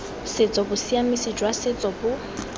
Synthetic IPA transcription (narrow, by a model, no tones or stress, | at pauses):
set͡sʼɔbʊsiamisid͡ʒʼwasɪt͡sʼɔbʊ